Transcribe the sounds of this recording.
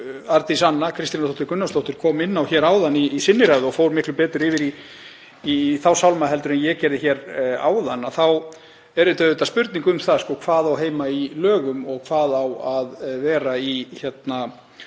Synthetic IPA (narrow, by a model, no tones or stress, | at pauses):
aɾt̪isanːakʰɾɪst̪inɾθʰowht̪ɪɾkɾʏnːast̪owht̪ɪɾ̥kʰɔːmɪnːawçɛːɾaːwðanːiːsɪnːɪɾajðʏɔfoːwɾmɪhklʏpɛːt̪ɾɪɾɪːvɪɾi | iθawsawlmaɦɛlt̪ʏɾɛnjɛcɛɾðɪçɛːɾa̰ːwðanːaθaw | ɛɾɪt̪œðɛt̪aspʏɾt̪niŋkʏmθaðskɔːkʰv̥aːðawɦeːjmailœːɣʏmɔɣkʰv̥aːðawaðvɛːɾaiçjɛt̪na